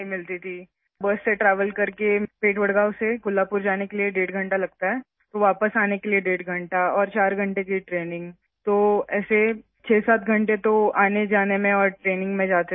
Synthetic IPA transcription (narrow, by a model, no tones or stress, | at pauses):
ɦĩmɪlt̪it̪ʰi | bɐsːeʈɾaːʋəlkɐɾkepeːʈʋɐɽɡaːʊsekʊlːaːpʊɾd͡ʒaːnekelieɖeːʈɡʱɐ̃ɳʈalɐɡ̚t̪aɦɛː | t̪oʋaːpəsaːnekelieɖeːʈɡʱɐ̃ɳʈaɔːɾt͡ʃaːɾɡʱɐ̃ɳʈekiʈɾeːnɪ̃ŋɡ | t̪oːɛːse | t͡ʃʰeːsaːt̪ʰɡʱɐ̃ɳʈet̪oaːned͡ʒaːnemẽɔːɾʈɾeːnɪ̃ŋɡmẽd͡ʒaːt̪e